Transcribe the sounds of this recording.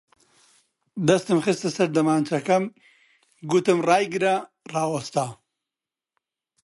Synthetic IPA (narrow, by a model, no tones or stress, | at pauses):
d̪ɐst̪ɨmxɨst̪ɐsɐɾd̪ɐmaːnt͡ʃʰɐkɐm | ɡut̪ɨmraːjɡɨɾɐ | raːwɐst̪aː